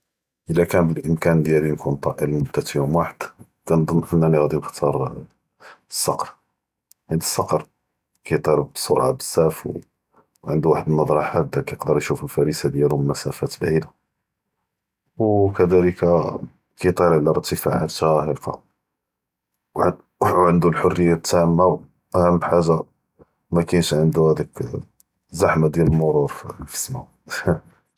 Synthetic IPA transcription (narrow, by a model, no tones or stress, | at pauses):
ʔəlækænbəlʔəmkænd̪jælinkunt̪ˤɑʔəlmʊd̪ːæt̪jumwaħəd̪̥ | kænd̪ˤɑnːʔənːæniɣæd̪inəxt̪ʰɑɾˤ | sːɑqɾ | hæd̪əsːɑqɾ | kæjt̪ˤɑɾˤbsoɾʕa̰bəsːæfw | ʕənd̪uwaħəd̪nːɑd̪ˤɾˤɑħad̪ækæjəqd̪əɾjʃufəlfæɾisad̪jæluməmæsæfæt̪bʕid̪a | wkæd̪æləka | kət̪ˤɑɾˤʕəlːəɾˤt̪ːəfa̰ʕa̰t̪æhəɾfɑ̰ | ʕənd̪ulħorːəjːat̪ːæmːaw | ʔæhæmːħaʒːa | mækænʃʕənd̪uhæd̪ək | zaħmad̪jæləlmʊɾˤuɾˤffə̥smh